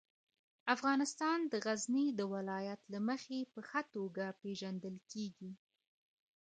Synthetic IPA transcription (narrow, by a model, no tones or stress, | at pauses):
afɣɑnɪst̪ɑnd̪əɣaznid̪əwɪlɑjat̪laməxepəxat̪oɡapeʒand̪əlkeɡi